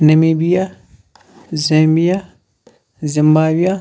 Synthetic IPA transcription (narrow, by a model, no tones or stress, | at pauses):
nɐmiːbija | zẽːmbija | zimbaːwija